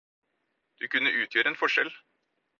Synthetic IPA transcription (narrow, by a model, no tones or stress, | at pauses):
d̪̥ʉkʉnːəʔʉːt̪ʰjøːɾəɛːnfɔʂɛl